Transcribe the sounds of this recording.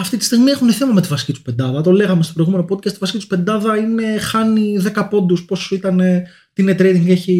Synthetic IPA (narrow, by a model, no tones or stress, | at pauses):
ɐft̪it̪i̥st̪iɣmiexuneθe̞mɐme̞t̪ivɐsicit̪u̥pe̞nd̪ɐðɐt̪o̞le̞ɣɐmestopɾo̞jɣume̞no̞po̞d̪̚cɐst̪ivɐsicit̪u̥pe̞nd̪ɐðɐine̞xɐniðe̞kɐpo̞nd̪uspo̞sit̪ɐne̞ | t̪inet̪ɾejt̪iŋɡeçi